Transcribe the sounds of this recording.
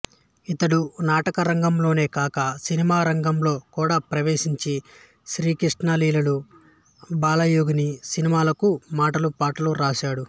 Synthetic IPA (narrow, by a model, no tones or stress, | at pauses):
it̪ɐɽunaːʈɐkɐɾɐŋɡɐmlo̞ːne̞ːkaːkɐsinimaːɾɐŋɡɐmlo̞ːkuːɽaːpɾɐʋeːʂiɲt͡ʃi | ʃɾiːkɾiʂʈnaːliːlɐlu | baːlɐjoːɡɐnisinimaːlɐkumaːʈɐlupaːʈɐluɾaːʃaːɽu